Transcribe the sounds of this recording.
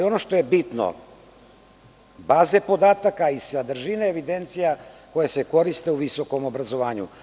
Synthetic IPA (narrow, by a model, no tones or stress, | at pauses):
io̞no̞ʃt̪o̞je̞bit̪no̰ | baːzepo̞d̪aːt̪akaisad̪r̩ʒineeʋid̪e̞nt̪sijako̞jase̞ko̞ɾist̪e̞uʋiso̞ko̞mo̞bɾazo̞ʋaːɲṵ